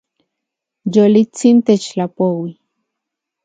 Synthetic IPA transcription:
jolit͡sint̪et͡ʃlapowi

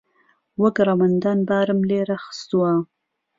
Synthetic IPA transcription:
waɡɾamand̪ɑnbaːɾəmleɾaxə̥st̪uwa

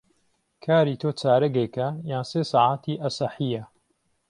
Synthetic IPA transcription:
kʰaːɾiːt̪ʰoːt͡saːɾɐɡekɐjaːnseːsɑːʕaːt̪ʰiːʔɐsɐħiːjɐ

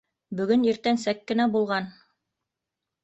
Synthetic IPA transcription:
bɵ̆ɡɵniɾt̪ænsækːɘ̆næbulˠʁɑn

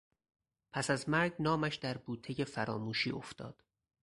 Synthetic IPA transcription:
pʰæsæzmæɾɡnɒːmæʃd̪̥æɾbuːt̪ʰeje̞fæɾɒ̰ːmuːʃiːoft̪ʰɒ̰ːd̪̥

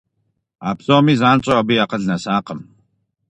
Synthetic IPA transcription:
a̰ːbz̥oːmiːzaːnɕʼɔabijaqəɮnɐsaːqəm

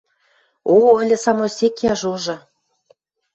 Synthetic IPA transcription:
oə̆lʲɘ̆sɑmosʲekjɑʒuʒɤ̆

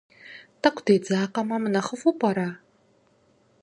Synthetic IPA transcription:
tɐkʷʰd̥eːd͡zaːqɐmɐmɨnɐχəfupʰʼɐɾa

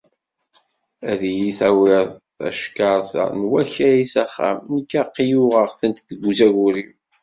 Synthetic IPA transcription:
æðijiθæwiðˤθæ̰ʃkɑɾˤθa̰nwæçæjisæχːæ̰mnəkːæqːijuʁəʁθənt̪ðəɡʷuzæɣuɾim

